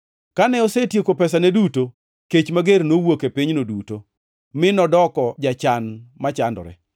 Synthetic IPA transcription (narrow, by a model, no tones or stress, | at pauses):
kanɛɔsetjekopɛsaneduto | ket͡ʃmaɡernowokepiɲnoduto | mɪnɔdɔkɔd͡ʒat͡ʃanmat͡ʃandɔ̰ɾɛ̰